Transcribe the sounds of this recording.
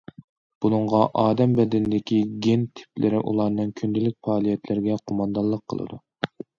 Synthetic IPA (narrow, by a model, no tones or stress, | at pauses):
b̥unɨɴʁɑʔɑːd̪ɛmbɛd̪ɪnɪd̪ɪkʲiɡʲent̪ʰɪ̥plɪɾɪʔṵlˠɑɾnɨŋkʲʰynd̪ɪlɪk̚ʲfɑːlˠijɛt̪ʰlɪɾɪɡʲɛqʰomɑnd̪ɑlˠːəqʰːə̰lˠɨ̰d̪u